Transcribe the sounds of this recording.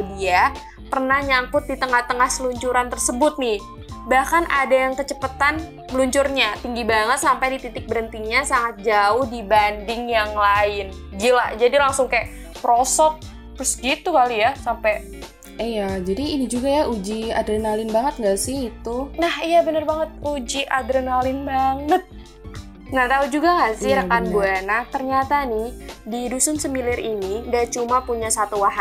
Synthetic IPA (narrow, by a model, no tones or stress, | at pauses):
dia | pərnahɲaŋkʊt̪̚dit̪əŋaht̪əŋahsəluɲt͡ʃuɾant̪ərsəbʊt̪̚nɪh | bahkanʔadajaŋkət͡ʃəpət̪an | məluɲt͡ʃʊrɲat̪iŋɡibaŋət̪sampajdit̪it̪ɪk̚bəɾənt̪iŋɲasaŋat̪̚d͡ʒaʊhdibandɪŋjaŋlaɪnd͡ʒilad͡ʒadilaŋsʊŋka | pɾosɔt̪̚ː | ɾʊsɡit̪ukalijasampɛ | ijad͡ʒadiːnid͡ʒuɡajaud͡ʒia̰dɾenalɪnbaŋət̪̚ŋɡasɪhit̪unahijabənərbaŋət̪̚ud͡ʒiʔadɾenalɪnbaŋət̪̚ | naht̪aud͡ʒuɡaŋɡasɪhɾəkanbuanaht̪ərɲat̪anɪhdidusʊnsəmilɪrinindat͡ʃumapuɲasat̪uwaɦa